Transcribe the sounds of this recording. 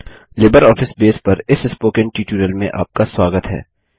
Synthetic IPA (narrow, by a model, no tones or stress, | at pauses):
lɪːbəɾɔːfʰɪsbeːspɐɾɪsɪspoːkə̃nʈiːʈuːɾəlmḛ̃ʔa̰ːp̚kaswaːɡət̪ɦɛ̰ː